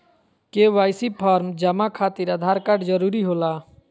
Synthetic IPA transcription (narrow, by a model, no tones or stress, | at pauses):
keʋaːjsipʰaːɾmd͡ʒəmakʰaːt̪iɾad̪ʱaːɾkaɖd͡ʒəɾuːɾiɦoːlaː